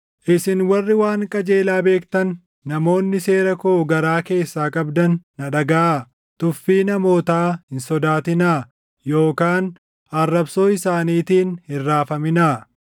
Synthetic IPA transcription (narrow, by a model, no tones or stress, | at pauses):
ʔɪsɪnwɐrːɪwaːŋkʼɐd͡ʒe̞ːlaːbe̞ːkt̪ɐnː | ɐmo̞ːnːɪse̞ːɾɐkoɡɐɾaːke̞ːsːaːkʼɐbd̪ɐnːɐᶑɐɡɐa | t̪ʊfːiːnɐmo̞ːt̪aːhɪnsɔd̪aːt̪ɪnaː | jo̞ːkaːn | ɐrːɐbso̞ːɪsaːniːt̪iːnhɪrːaːfɐmɪnaː